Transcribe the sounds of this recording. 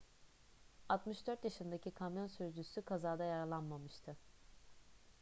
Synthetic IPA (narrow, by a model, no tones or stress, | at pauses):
at̪mɯʃd̪øɾt̪jaʃɯnd̪acʰikʰamjo̞nsyɾd͡ʒysykʰazaːd̪ajaɾalˠanmamɯʃt̪ʰɯ